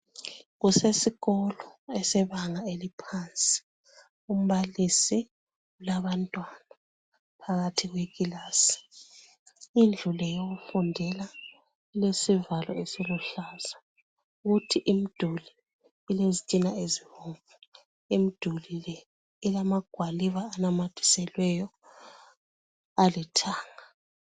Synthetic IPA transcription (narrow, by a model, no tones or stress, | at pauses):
ɣusesiɣɔlɔɛsɛβaŋaelipʰant͡sʼi̥ | um̩βalisi | ulaβantʼwana | pʰaɣatʰiɣweɣilaːsi̥ | ind͡ɮʱulɛjoɣufundʱɛla | ilesivalɔesiluɬaz̥a | ɣutʰiʔimid̥ʱuli | ilezitʼinaeziβɔŋvu | imid̥ʱulilɛ | ilamaɡ̥ʱwaliβaːnamatʰi̥sɛlwɛjɔ | alɛtʰaːŋa